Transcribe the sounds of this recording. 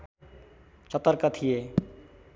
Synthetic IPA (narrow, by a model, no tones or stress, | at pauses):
t͡ʃɔt̪aɾkat̪ʰije